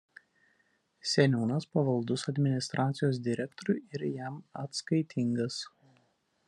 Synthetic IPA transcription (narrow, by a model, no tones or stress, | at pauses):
sʲɛnʲuːnɐspɐʋɐlˠd̪ʊsɐd̪ʲmʲɪnʲɪst̪ɾʔɑːt̪sʲɪjoːs̬d̪ʲɪɾʲɛkt̪ɔɾʲʊɪɾjæˑmɐt̪skɐɪt̪ʲʰɪŋɡɐs